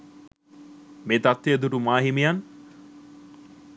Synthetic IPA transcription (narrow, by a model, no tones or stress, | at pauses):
meːt̪at̪ːeɐd̪uʈumaːɦimijan